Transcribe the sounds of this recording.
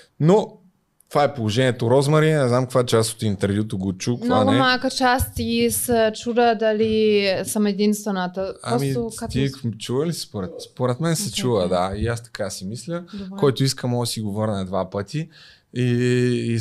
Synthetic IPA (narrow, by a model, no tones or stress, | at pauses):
no | t̪ovaɛpolˠoʒɛniɛt̪oɾɔzmɐɾinɛznamkkvaɛt͡ʃast̪ot̪int̪ɛɾvjut̪oɡot͡ʃukmnanɡʊɛmalˠkət͡ʃast̪isət͡ʃud̪əd̪ɐlisəmɛd̪inst̪vɛnət̪əpaɔmit̪ot̪it͡ʃuvəlispoɾɛt̪spoɾɛt̪mɛnsɛt͡ʃuvəd̪aiast̪ɐ̥kasimislʲəd̪kɔjt̪oiskəmɔsiɡovɤɾnəd̪vapət̪ʰi | iː